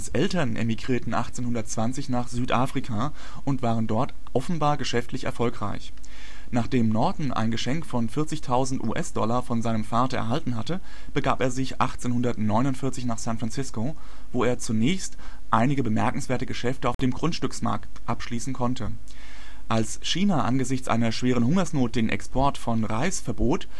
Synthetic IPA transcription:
asʔɛltɐnʔḛmiɡʁiːɐtn̩ʔa̰χt͡seːnhʊndɐtt͡sv̥ant͡sɪçnaːχz̥yːtʔaːfʁ̥ikʰaː | ʔʊntv̥aːʁəndɔɐt | ʔɔfn̩baːɐɡəʃɛftlɪçɛ̰ɐfɔlkʁ̥a̰ɪç | naːχd̥eːmnɔɐdn̩ʔa̰ɪnɡəʃɛŋkfɔnfɪɐt͡sɪçtʰaʊzn̩tʔṵːʔɛsd̥ɔlɐfɔnzaɪnəmfaːɐtɐʔɛ̰ɐɦaltn̩ɦatə | b̥əɡa̰ːpeːɐzɪçʔa̰χt͡seːnhʊndɐtnɔʏnʊntfɪɐt͡sɪçnaːχsɛ̃ntfʁ̥ant͡sɪsko | voːeːɐt͡sunɛːçst | ʔaɪnɪɡəbəmɛɐkŋ̩sv̥eːɐtəɡəʃɛftəaʊfd̥eːmɡʁʊntʃtʏksma̰ɐktʔapʃliːsn̩kʰɔntʰə | ʔals | ʃiːnaʔanɡəzɪçt͡sʔa̰ɪnɐʃv̥eːʁ̞ənhʊŋɐsnoːt̚d̥eːnʔɛ̰kspʰɔɐtfɔnʁaɪsfɛɐboːt

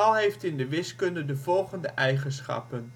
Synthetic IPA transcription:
ɑlˠɦejftɪndəʋɪskɵndədəvɔlˠχəndəʔɛjχənsχɑ̰pən

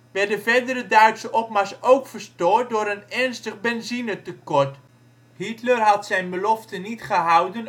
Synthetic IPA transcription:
ʋɛɹdəvɛɹdəɾədœɥtsəʔɔpmasowkfəɹstɔːt̚dʊːɾənɛɹnstəχbɛnzinətəkɔɹt | hitlərɦɑtsɛjnbəlɔftənitχəɦʌwdən

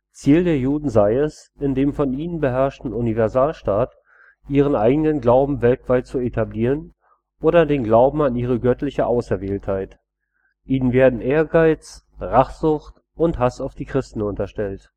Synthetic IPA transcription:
t͡siːldeːɐjuːdn̩zaɪɛs | ɪndeːmfɔniːnənbəɦɛɐʃtn̩ʊnivɛɐzaːlʃtaːt | ʔiːʁ̞ənʔaɪɡənənɡlaʊbm̩vɛltv̥aɪt̚t͡suetʰabliːʁ̞ən | ʔoːɾɐdeːnɡlaʊbm̩aniːʁ̞əɡœtlɪçəʔaʊsɛɐveːlthaɪt | ʔiːnənveːɐdn̩ʔeːɐɡaɪt͡s | ʁaχz̥ʊçt | ʊnthasaʊfd̥iːkʁ̥ɪstn̩ʊntɐʃtɛlt

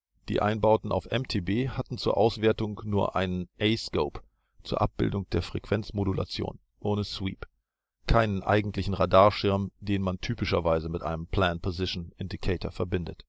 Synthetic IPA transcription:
d̥ḭːʔa̰ɪnbaʊtn̩ʔa̰ʊfʔɛmtʰeːbeːhatn̩t͡suːɐʔaʊsv̥eːɐtʊŋnuːɐʔa̰ɪnənʔɛɪskoʊp | t͡suːɐʔap̚b̥ɪ̰ldʊŋd̥eːɐfʁ̥ɛkv̥ɛnt͡smodula̰t͡sjo̰ːn | ʔoːnəswḭːp | kʰaɪnənʔa̰ɪɡŋ̩tlɪçn̩ʁadaːɐʃɪɐmd̥eːnmantʰyːpɪʃɐvaɪzəmɪtʔa̰ɪnəmpʰl̥aːnpʰozɪʃn̩ʔɪndikʰeɪtɐfɛɐbɪndət

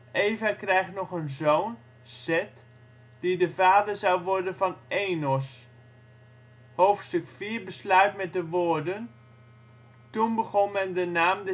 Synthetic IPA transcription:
ʔeːvakrɛjxnɔχənzoːn | sɛt | d̥idəvaːdəɹzɑwʋɔɹdənvɑnejnɔs | howftstɵkfiːɹbəslœɥtmɛt̚dəʋoːɹdən | tunbəχɔnmɛndənaːmdə

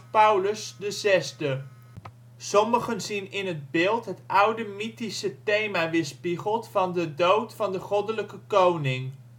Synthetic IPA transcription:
pʌwləsdəzɛzdə | sɔməχənzinɪnɦəd̚bɪːlˠtɦətʔʌwdəmitisətejmaːʋɪːɹspiχəlˠtfɑndədowtfɑndəχɔdələkəkownɪŋ

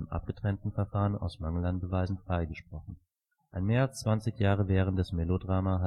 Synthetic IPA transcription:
əmʔa̰p̚ɡ̥ətʁ̥ɛntn̩fɛɐfaːʁəna̰ʊsmaŋəlanb̥əvaɪzn̩fʁ̥aɪɡəʃpʁ̥ɔχn̩ | ʔaɪnmeːɐalst͡sv̥ant͡sɪçjaːʁ̞əvɛːʁən̩td̥ɛsmɛlodʁaːmaɦa

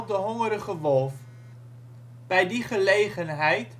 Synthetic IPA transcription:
pdəɦɔŋəɾəχəvɔlˠf | b̥ɛjdiχəlejχənɦɛjt

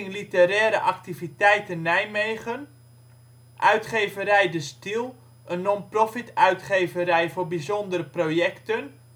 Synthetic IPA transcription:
ŋlitəɾɛːɾəʔaktivitɛjtənːɛjmejɣən | ʔœɥtχeːvəɾɛjdəstilˠ | ʔənːɔnprofitœɥtχeːvəɾɛjvorbizɔndərəprojɛktən

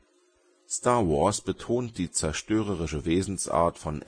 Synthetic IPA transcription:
staːɐwɔɐsb̥ətʰoːnt̚d̥iːt͡sɛɐʃtøːʁ̞əʁ̞ɪʃəveːzn̩sʔa̰ːɐtfɔn

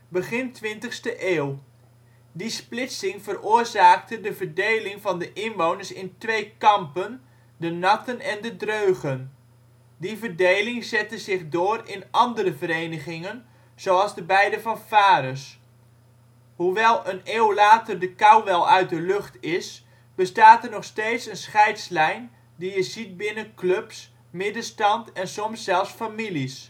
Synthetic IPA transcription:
bəχɪntʋɪntəχstəʔeːw | displɪtsɪŋvərʊːrzaːk̚tədəvəɹdejlɪŋvɑndəʔɪnʋownəɹsɪntʋejkɑmpən | dənɑtənɛndədrøɥχən | divərdejlɪŋzɛtəzɪχdoːrɪnʔɑndəɾəvəɾejnəχɪŋən | z̥oɑlˠzdəbɛjdəvɑnfaːɾəs | huʋɛlˠəneːwlaːtərdəkɑwʋɛlˠœɥt̚dəlɵχtɪs | b̥əstaːtərnɔχsteːtsənsχɛjtslɛjn | dijəzit̚bɪnəkløps | mɪdəstɑntɛnsɔmsːɛlˠfsfamilis

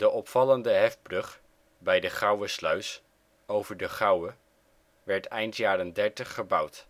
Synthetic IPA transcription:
d̥əʔɔpfɑləndəɦɛfbrɵχ | bɛjdəχɑwəslœɥs | owvəɹdəχɑwə | ʋɛɹtɛjntjaːrəndɛɹtəχːəbʌwt

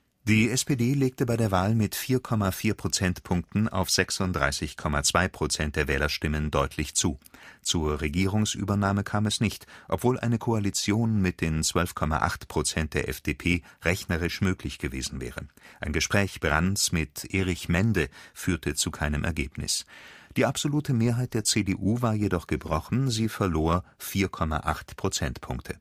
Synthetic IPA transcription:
d̥iːʔɛspeːdeːleːk̚təbaɪdeːɐvaːlmɪtfiːɐkʰɔmafiːɐpʁ̥ot͡sɛntpʰʊŋk̚tn̩a̰ʊfz̥ɛksʊntd̥ʁa̰ɪsɪçkʰɔmat͡sv̥aɪpʁ̥ot͡sɛnt̚d̥eːɐvɛːlɐʃtɪməndɔʏtʰlɪçt͡suːt͡suːɐʁeɡiːʁʊŋsʔy̰ːbɐnaːməkʰaːmɛsnɪçtʔɔpv̥oːlʔa̰ɪnəkʰoalit͡sjoːnmɪt̚d̥eːnt͡sv̥œlfkʰɔma̰ʔa̰χtpʁ̥ot͡sɛnt̚d̥eːɐʔɛ̰fd̥eːpʰeːʁɛçnɐʁɪʃmøːklɪçɡ̥əveːzn̩vɛ̰ːʁəʔaɪnɡəʃpʁ̥ɛːçb̥ʁansmɪtʔeːʁɪçmɛndəfyːɐtʰət͡sukʰaɪnəmʔɛ̰ɐɡeːpnɪ̰sd̥iːʔapz̥oluːtʰəmeːɐɦaɪt̚d̥eːɐt͡seːdeːʔuːvaːɐjedɔχɡ̥əbʁɔχn̩ziːfɛɐloːɐfiːɐkʰɔma̰ʔaχtpʁ̥ot͡sɛntpʰʊŋk̚tʰə

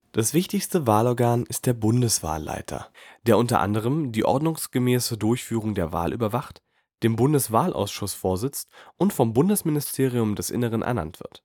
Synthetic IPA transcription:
d̥asv̥ɪçtɪçstəvaːlɔɐɡaːnɪst̚d̥eːɐbʊndəsv̥a̰ːlːa̰ɪtʰɐ̰d̥eːɐʔʊntɐ̰ʔa̰ndəʁ̞əmdiːʔɔ̰ɐdnʊŋsɡ̥əmɛːsədʊɐçfyːʁ̞ʊŋdeːɐva̰ːlʔy̰ːbɐvaχt | d̥eːmbʊndəsv̥aːlʔa̰ʊsʃʊsfoːɐzɪt͡stʔʊntfɔmbʊndəsmɪnɪstʰeːʁ̞iʊmdɛsʔɪ̰nəʁ̞ənʔɛ̰ɐna̰ntv̥ɪ̰ɐt

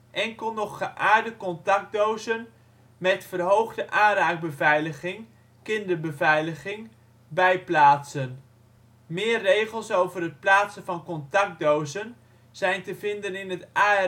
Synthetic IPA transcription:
ʔɛŋkəlˠnɔχːəʔaːɹdəkɔntɑk̚dowzən | mɛtfərɦowχdəʔaːraːɡ̚bəvɛjləɣɪŋ | kɪndəɹbəvɛjləɣɪŋ | bɛjplaːtsən | mɪːərːejχəlˠsowvərət̚plaːtsənvɑnkɔntɑk̚dowzən | z̥ɛjntəvɪndənɪnətʔaː

